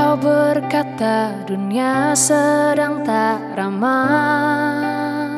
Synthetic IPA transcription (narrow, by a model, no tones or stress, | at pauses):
awbərkat̪a | duniasədaŋt̪aɾama